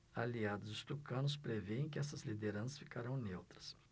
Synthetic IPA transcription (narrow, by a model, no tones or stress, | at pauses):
aliad̪ʊzʊst̪ukɐ̃nʊs̬pɾeveẽkɪɛsɐzlid̪eɾɐ̃sɐsfi̥kaɾɐ̃w̃newt̪ɾɐ̥s